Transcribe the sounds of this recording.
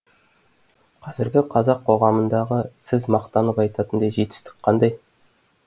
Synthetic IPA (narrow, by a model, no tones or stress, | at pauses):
qʰɑzɪɾɡʲɪqʰɑzɑqʰːo̞ʁɑmənd̪ɑʁəsɪzmɑqt̪ɑnəpɑjt̪ɑt̪ənd̪ɑʒe̞t̪ɪ̥st̪ɪ̥k̚qʰɑnd̪ɑj